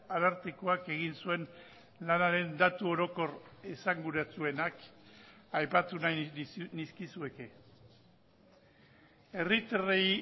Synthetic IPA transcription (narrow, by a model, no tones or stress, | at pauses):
alaɾt̪eko̞ake̞ɣ̞insue̞n | lanaɾe̞nd̪at̪uo̞ɾo̞ko̞resaŋɡuɾat͡sue̞nak | ajpat̪unajniskisue̞ke̞ | e̞rit̪erej